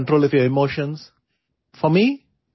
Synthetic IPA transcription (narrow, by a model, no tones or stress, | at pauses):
ɳʈɾoːlɪθjəɪmoːʃə̃ns | fɔmi